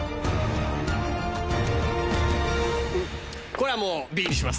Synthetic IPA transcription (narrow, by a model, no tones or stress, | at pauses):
koɾamobiiɕimas